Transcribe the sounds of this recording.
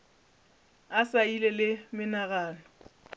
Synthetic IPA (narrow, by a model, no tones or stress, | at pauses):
asailelɪmɪnaɣaːnɔ